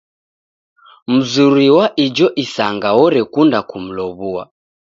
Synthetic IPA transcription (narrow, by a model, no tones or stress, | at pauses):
m̩zuɾiwaʔid͡ʒɔʔisaŋɡaɔɾɛkundakum̩lɔβua̰